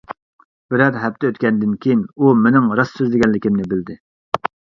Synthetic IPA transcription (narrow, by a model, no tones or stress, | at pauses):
b̥ɪɾɛɾɦɛp̚t̪ʰɛøt̪̚kʲɛnd̪ɪnkʲʰejinumenɪŋɾɑsːøzlɪɡʲɛnlɪkʲimnɪbɪld̪ɪ